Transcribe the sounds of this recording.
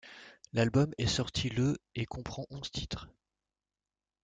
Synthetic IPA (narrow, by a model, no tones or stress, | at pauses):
lalbɔmɛsɔʁt̪ʰiləekʰɔ̃pχɑ̃ʔɔ̃z̥t̪ʰit̪χ